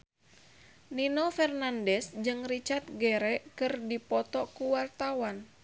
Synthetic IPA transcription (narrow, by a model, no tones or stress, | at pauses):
ninofɛrnandɛsd͡ʒɨŋrit͡ʃart̪̚ɡɛɾɛkɨrdipɔt̪ɔkuwart̪awan